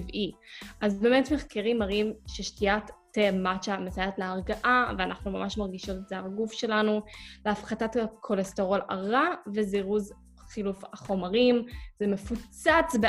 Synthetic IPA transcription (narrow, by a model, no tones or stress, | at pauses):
iviʔazbeːmetmeχkeʁimaʁimʃeʃtiatː | emat͡ʃamesajatleaʁɡaʔaveanʔaχnumamaʃmaʁɡiʃo̞tetzelaɡufʃe̞lanuleafχatatkʰolesteʁo̞la̰ʁaveziʁuz | χilufaχo̞maʁimzeme̞fut͡sat͡sbe